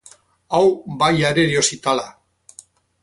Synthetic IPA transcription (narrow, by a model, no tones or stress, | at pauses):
awbajaɾeɾiosit̪ala